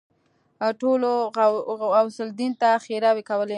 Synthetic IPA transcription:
ʈolo | awsɪld̪int̪axeɾawekawəle

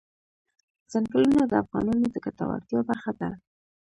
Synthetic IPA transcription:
z̥anɡəlunad̪əafɣɑ̰nɑnod̪əkat̪a̰wa̰ɾt̪jɑbaɾxad̪a

